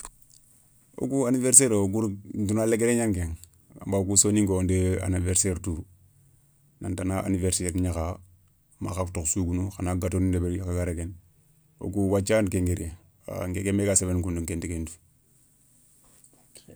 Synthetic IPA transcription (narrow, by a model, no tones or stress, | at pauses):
o̰ɡuaniveɾseɾooɡuɾndunaleɡeɾeɲaŋɡeŋ | a̰mbaɡusoniŋɡondea̰niveɾseɾtu | nantanaʔa̰niveɾseɾɲaka | ma̰kaktoksuɡunuxanaɡatonidebeɾikaɡaɾeɡen | o̰ɡuwat͡ʃankeŋɡeɾije | a̰ŋɡekemekasebenkunduŋkentikendu̥